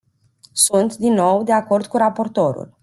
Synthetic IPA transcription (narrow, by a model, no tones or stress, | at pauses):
sunt̪d̪inːo̞wd̪e̞ako̞rd̪kuɾapo̞rt̪o̞ɾṵl